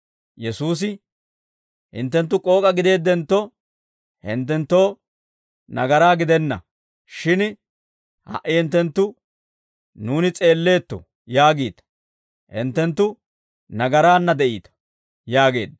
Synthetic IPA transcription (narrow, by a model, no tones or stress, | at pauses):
jɛsuːs̬ɪ | hɪ̰nt̪ːɛnt̪̬ːʊkʼo̞ːkʼɐɡɪd̪e̞ːd̪ːɛnt̪ːɔ | hɪ̰nt̪ːɛnt̪ːo̞ː | nɐɡɐɾaːɡɪd̪ɛnːɐ̰ | ʃɪn | hɐ̰ʔɪhɪnt̪ːɛnt̪ːʊ | nuːnɪt͡sʼe̞ːlːe̞ːt̪ːɔ̰ | jaːɡiːt̪ɐ̥ | hɪ̰nt̪ːɛnt̪ːʊ | nɐɡɐɾaːnːɐd̪ɛʔḭːt̪ɐ̥ | jaːɡe̞ːd̪ɐ